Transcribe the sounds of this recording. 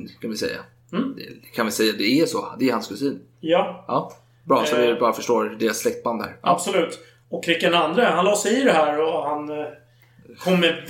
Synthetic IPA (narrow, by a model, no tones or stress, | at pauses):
nkʰanvɪsɛ̰jːa̰ | d̪ɛ̰kʰanvɪsɛjːad̪ɛːʂɔd̪ɛɾhanskʰɵsiːn | jɑɑː | bɾɑːsɔvɪbɑːɾafœʂʈoːɾd̪eːɾasːlɛk̚t̪̚band̪hæ̰ɾab̥sɔlʉ̟ːt̪ | ɔkʰːɾɪkːɛnand̪ɾəɦhanlɑːsɛjɪd̪ɛɦæːɾɔhan | kʰɔmːɛv